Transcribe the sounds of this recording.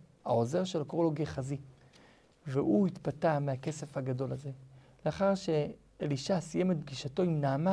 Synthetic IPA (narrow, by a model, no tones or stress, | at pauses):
aoze̞ʁʃe̞lakoloɡeχazi | veʔuit̪patamehake̞se̞fhaɡado̞laze̞ | leaχaʁʃe̞ | eliʃasije̞met̪̚b̚ɡiʃato̞imnaːma